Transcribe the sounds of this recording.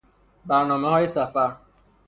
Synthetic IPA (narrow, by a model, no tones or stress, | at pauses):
banɔmaɦɔɪsafa